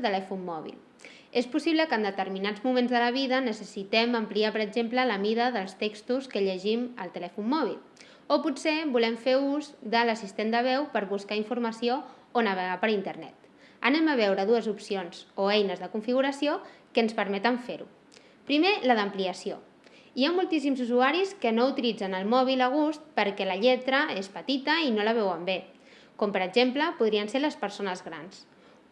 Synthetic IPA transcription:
t̪əlɛfumːɔβḭl | espusiβ̞ləkənd̪ət̪əɾminad͡zmumẽnzðələβ̞iðənəsəsit̪ɛməmpliapəɾəɡzemplələmiðəðəlˠst̪ekst̪uskəʎəʒimə̰lˠt̪əlɛfumːɔβ̞ḭl | opusebulɛɱfeuzd̪ələsist̪end̪əβ̞ɛwpəɾβuskaiɱfuɾməsio | onəβ̞əɣ̞apəɾint̪əɾnɛ̰t̪ | ənɛməβ̞ɛwɾəðuəzupsionzoɛjnəzðəkuɱfiɣuɾəsiokənspəɾmɛt̪əɱfeɾṵ | pɾimeləðəmpliəsio̰ | iamulˠt̪is̬imzuzuaɾiskənout̪ilid͡zənəlˠmɔβiləɣ̞ust̪̚pəɾkɛləʎɛt̪ɾəespət̪it̪əinoləβ̞ɛwəmbe | kompəɾəɡʒempləpuðɾiənseɾləspəɾsonəzɣɾa̰ns

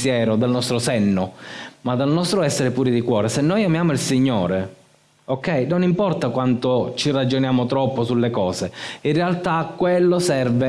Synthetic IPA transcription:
sjɛːɾod̪alnɔst̪ɾosɛnːomad̪ːalnɔst̪ɾoɛsːeɾepuːɾid̪ikwɔːɾesenːojamjaːmoilsiɲːoːɾe | okːɛjnonimpɔrt̪akwant̪ot͡ʃirad͡ʒonjaːmot̪ɾɔpːosulːekɔːzeinrealt̪akːwelːosɛrve

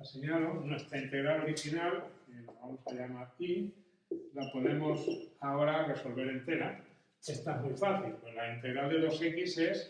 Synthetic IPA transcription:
aseɲalonwe̞st̪ɾaint̪e̞ɣɾaoɾixinaleβamosajamaɾaki | lapo̞ne̞mo̞saoɾare̞so̞lβe̞ɾe̞nt̪e̞ɾa̰ | est̪amujfaθilpwelaint̪e̞ɣɾaðe̞lo̞se̞kise̞s

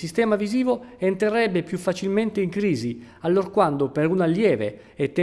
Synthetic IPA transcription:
sist̪ɛːmaviziːvoent̪ɾerɛbːepjufːat͡ʃilment̪eiŋkɾiːzi | alːorkwand̪opeɾunalːjɛːvḛ | ɛt̪ːe

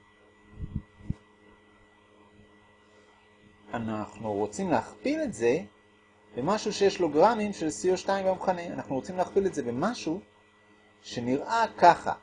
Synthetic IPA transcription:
anaχnuʁo̞t͡simleaχpile̞tze̞ | bemaʃuʃeje̞ʃlo̞ɡʁanimʃe̞lsioʃtaimbamχaneanaχnuʁo̞t͡simleaχpile̞tze̞bemaʃu | ʃe̞niʁʔakaχa̰

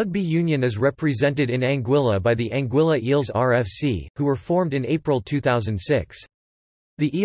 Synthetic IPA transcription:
ʌɡ̚bijʉ̃njɨ̃nɨzɹɛpɹɨzɛ̃ntɨɾɨ̃næ̃ŋɡwɪlˠəbaɪðiʔæ̃ŋɡwɪlˠəʔilˠzɑɹɛfsḭhuə˞fɔɹmdɨ̃neɪpɹəl̩ˠtʰʉθaʊzɨ̃ndsɪks | ðiʔi

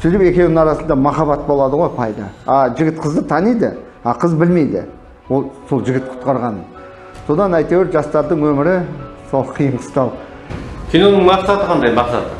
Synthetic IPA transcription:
ʃʰʏɾɪpe̞kʲe̞wnɪɑɾɑsənd̪ɑmɑχɑβɑt̪̚bo̞lˠɑd̪əʁo̞jpʰɑjd̪ɑ̰ɑʒɪɡʲɪt̪qʰəzd̪ət̪ʰɑnijd̪ɪ̰ | ɑqʰəzbɪlme̞jd̪ɪ̰ | wolˠso̞lˠʒɪɡʲɪt̪̚qʰʊ̥t̪qɑɾʁɑnə | so̞d̪ɑnæjt̪eweɾʒɑst̪ɑɾd̪əɴwɵmɪɾɪso̞lˠqʰijəɴqʰə̥st̪ɑw | kʲʰino̞nəŋmɑqsɑt̪əqʰɑnd̪ɑjmɑqsɑ̰t̪ə

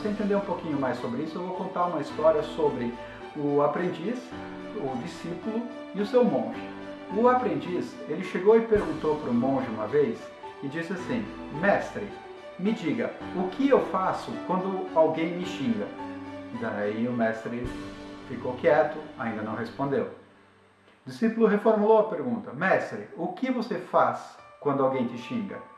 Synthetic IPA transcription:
sɪẽnt̪ẽnd̪eɾũpokĩɲʊmajssobɾɪisʊewvowkõnt̪aɾũmɐist̪ɔɾiɐsobɾɪ | ʊapɾẽnd͡ʒis | ʊd͡ʒisipulʊ | ɪʊsewmõʒɪ | ʊapɾẽnd͡ʒiselɪʃeɡowɪpeɾɡũnt̪owpɾʊmõʒɪũmɐvejs | ɪd͡ʒisɪasĩmɛst̪ɾɪ | mɪd͡ʒiɡɐʊkʰɪewfasʊkwɐ̃nd̪ʊawɡẽj̃mɪʃĩŋɡɐd̪aiʊmɛst̪ɾɪfikowkiɛt̪ʊaĩnd̪ɐnɐ̃w̃hespõnd̪ew | d͡ʒisipʊlʊɦefoɾmulowɐpeɾɡũnt̪ɐmɛst̪ɾɪʊkɪvosefaskwɐ̃nd̪ʊawɡẽj̃t̪ɪʃĩŋɡɐ̰

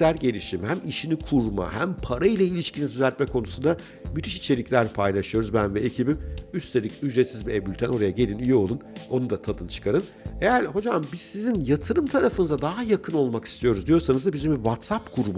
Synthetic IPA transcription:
æɾɟe̞lʲiʃimhæmiʃinikʰuɾma̰hæmpʰaɾailʲˠailʲiʃcʰinizd̪yzælʲt̪̚mɛkʰo̞nusund̪a | myt̪ʰiʃit͡ʃʰe̞lʲiclʲæɾpʰajlʲˠaʃɯjo̞ɾuzbænvɛecʰibimyst̪ʰe̞lʲicʲyd͡ʒɾet̪sizbiebylʲt̪ʰæno̞ɾajaɟe̞lʲinyjɛo̞lˠuno̞nud̪at̪ʰad̪ɯnt͡ʃʰɯ̥kʰaɾɯn | e̞jæɾho̞d͡ʒambiz̥sizinjat̪ʰɯɾɯmt̪ʰaɾafɯnɯzad̪aɦajakʰɯno̞lˠmaki̥st̪ʰijo̞ɾuzd̪ijo̞ɾsanɯzd̪abizimbivat̪sapkʰuɾma

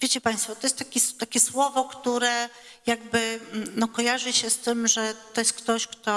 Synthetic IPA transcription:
vʲjet͡ɕɛpaj̃st̪fɔt̪ɔjɛst̪t̪akʲit̪akʲɛswɔvɔkt̪uɾɛ | jaɡbɘnɔkɔjaʐɨɕɛst̪ɘmʐɛt̪ɔjɛst̪kt̪ɔɕkt̪ɔ

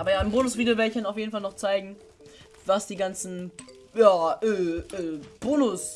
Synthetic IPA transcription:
ʔaːbɐjaːɪmboːnʊsv̥iːɡl̩vɛɐɪçanaʊfjeːdn̩falnɔχt͡saɪɡŋ̩ | vasd̥iːɡant͡sn̩ | jaːʔɛːɛːb̥oːnʊs

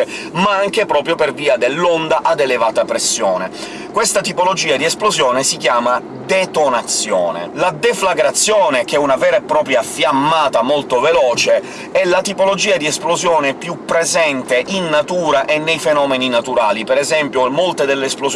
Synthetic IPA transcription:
maaŋkepɾɔːpɾjoperviːad̪elːond̪aʔad̪elevaːt̪apɾesːjɔːne | kwest̪at̪ipolod͡ʒiːad̪iɛsplozjɔːnesik̟jaːma | d̪et̪onat̪sːjɔ̰ːnḛlad̪eflaɡɾat̪sːjɔːnek̟ɛunavɛːɾepɾɔːpɾjafjamːaːt̪amolt̪ovelɔːt͡ʃe | ɛlːat̪ipolod͡ʒiːad̪iɛsplozjɔːnepjupːɾezɛnt̪eʔinːat̪uːɾaʔenːejfenɔːmeninat̪uɾaːlipeɾɛzɛmpjomolt̪ed̪elːeːsploz

